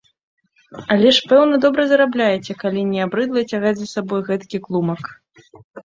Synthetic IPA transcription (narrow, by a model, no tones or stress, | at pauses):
alʲɛʂpɛwnɐd̪ɔbɾɐzɐɾablʲajɛt͡sʲɛkalʲinʲɛabɾɨd̪lˠɐt͡sʲaɣad͡zʲzɐsabɔjɣɛt̪kʲiklˠumɐk